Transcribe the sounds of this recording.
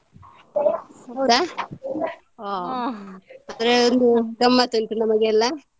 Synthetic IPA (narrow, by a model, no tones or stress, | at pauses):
a | a | ɐd̪ɐɾeond̪uɡɐmːat̪oɳʈunɐmɐɡeːlːɐ